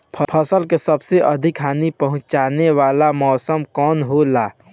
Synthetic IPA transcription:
pʰəpʰəsəlkesəbseʔəd̪ʱikɦaːnipəɦʊ̃t͡ʃaneʋalamɔːsəmkɔːnɦolaː

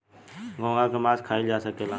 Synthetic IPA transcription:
ɡʱõːŋãːkʰeːmaːskʰaːiːd͡ʒaːsəkeːlãː

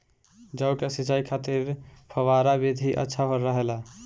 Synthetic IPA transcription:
d͡ʒəwkesit͡ʃaikʰat̪iɾpʰəʋaɾabid̪ʱiʔə̰tːʃʰapəɾːəɦela

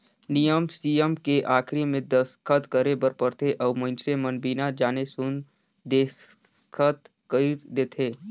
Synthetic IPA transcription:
nijəmsiːjəmkeʔaːkʰɾimẽd̪əskʰət̪kəɾebəɾpəɾt̪ʰeʔɔːmə̃nsemənbiːnad͡ʒaːnesʊn | d̪eːs | kʰət̪ | kəd̪eːt̪ʰeː

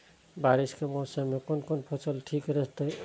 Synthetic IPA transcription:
baɾiskemɔsamekonkonpʰot͡ʃəlʈʰikɾeɦt̪əj

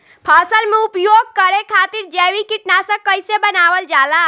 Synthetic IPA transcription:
pʰasəlmeupjoɡ̚kəɾekʰat̪iɾd͡ʒɛʋikiʈnasə̃kəɪsebənaʋəld͡ʒala

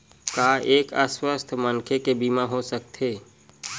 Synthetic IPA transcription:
kaːeːkəswəst̪ʰmənkʰekebiːmaɦosək̚t̪ʰɦeː

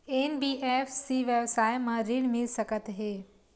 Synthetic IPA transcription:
eːnbiːʔefsiʋjəʋsaːjmãɾiɽmɪlsəkət̪ɦeː

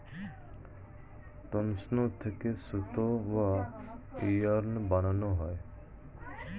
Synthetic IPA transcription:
t̪omsnot̪ʰekesut̪oʋa | ijəɾnbananoɦɔe

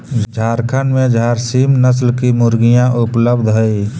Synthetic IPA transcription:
d͡ʒʱaːɾkʰənmẽd͡ʒʱaːɾsiːmnəs̬lkimʊɾɡijãʔʊpləbd̪ʱɦoi

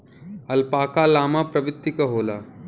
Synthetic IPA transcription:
ɐlpaːkalaːmapɾɐʋɪt̪ːikɐɦoːlaː

